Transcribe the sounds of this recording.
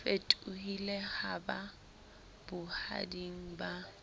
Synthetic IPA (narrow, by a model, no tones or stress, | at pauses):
fetʼʊhilehaba | b̥ʊha̰diŋ̩ba